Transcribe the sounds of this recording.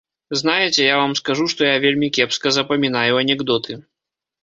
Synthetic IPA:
znajɛt͡sʲɛjavamskaʐuʂt̪ɔjavʲelʲmʲikʲɛpskɐzɐpɐmʲin̪ajuɐnʲɛɡd̪ɔt̪ʰɨ

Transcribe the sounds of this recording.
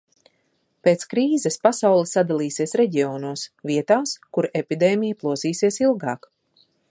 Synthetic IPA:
peːt̪skɾiːzɛspasawlˠisad̪alˠiːsiɛsɾeɟioːnuɔsviɛt̪aːskuɾepid̪eːmʲijaplˠuɔziːsiɛsilˠɡɑːk

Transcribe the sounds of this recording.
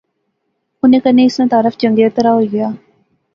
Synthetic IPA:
ʊnẽːkəneːɪsnãːt̪aːɾəfd͡ʒəŋɡet̪əɾaːɦoːɡɪjaː

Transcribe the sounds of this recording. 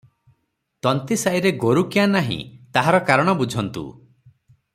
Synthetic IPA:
t̪ɔnt̪isaiɾeɡoɾukianaɦḭ̃t̪aɦaɾɔkaɾɔɽ̃ɔbud͡ʒʱɔnt̪ṵ

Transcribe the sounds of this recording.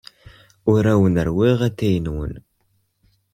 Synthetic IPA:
ʊɾæwənəɾwiʁæθæjənwə̰n

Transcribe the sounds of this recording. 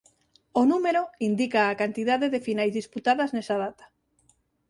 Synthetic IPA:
onumeɾoind̪ikaːkant̪iðaðeðefinajzðisput̪aðaznesað̞at̪ḁ

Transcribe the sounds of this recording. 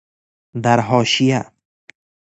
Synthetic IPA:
d̪aɾɦɔːʃija

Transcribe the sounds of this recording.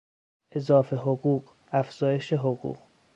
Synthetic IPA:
ʔe̞zɒːfeɦoɣuːɢ | æfz̥ɒːje̞ʃeɦoɣṵːq

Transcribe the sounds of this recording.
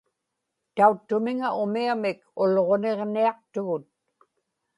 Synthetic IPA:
t̪aut̪ːʊmɪŋaʊmiamɪkʊlʁo̞ne̞ʁniɑq̚t̪ʊɣʊt̪̚

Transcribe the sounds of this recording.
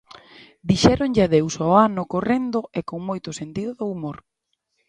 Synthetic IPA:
d̪iʃɛɾoŋʎɪaðewsɔanʊkorend̪ʊekoŋmojt̪ʊsent̪iðʊðʊumoɾ

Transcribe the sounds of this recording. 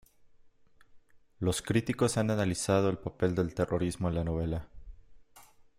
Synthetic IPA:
lo̞skɾit̪iko̞sananalisað̞o̞e̞lpape̞ld̪e̞lt̪e̞rʔo̞ɾizmo̞enlano̞β̞e̞la

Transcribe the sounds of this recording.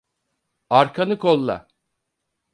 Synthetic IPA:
aɾkʰanɯkʰolˠːa̰

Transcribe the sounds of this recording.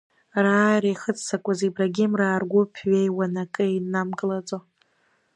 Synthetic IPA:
raːjrajχət͡sʰsakʷʼazibraɡʲɪmraːrɡʷʊpʰɥʷejwanakʼɨinːamɡɨlat͡sʼo

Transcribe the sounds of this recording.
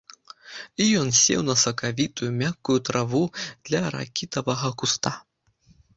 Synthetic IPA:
ijɔnsʲɛ̰wnɐsɐkavʲit̪ujumʲakːujut̪ɾavud̪̥lʲɐɾa̰kʲit̪ɐvɐɣɐkust̪a

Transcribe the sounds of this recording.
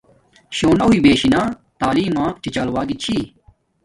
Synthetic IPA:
ɕoːnɐɦuiːbeːɕinãː | t̪aːliːmãːt͡ɕit͡ɕaːlwaːɡit͡ɕʰiː

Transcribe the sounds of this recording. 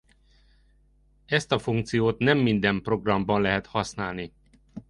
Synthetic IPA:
ɛst̪ɒfuŋk̚t̪sijoːt̪nɛmːind̪ɛmpro̞ɡrɒmbɒnlɛɦɛt̪hɒsnaːlni

